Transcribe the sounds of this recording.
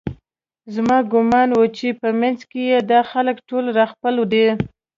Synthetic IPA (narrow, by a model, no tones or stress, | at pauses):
zmɑɡʊmɑnwət͡ʃepəmanzkejed̪ɑxaləkʈolɾɑxpəlwd̪e